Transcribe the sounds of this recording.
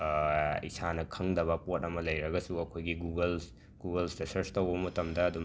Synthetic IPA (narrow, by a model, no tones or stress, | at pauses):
ḭsanɐkʰɐŋdɐβɐpotɐmɐlɐjɾɐɡɐsuɐkʰojɡiɡuɡɐl | ɡ̥uɡɐlstesɐɾstowbɐmɐtɐmdɐːdum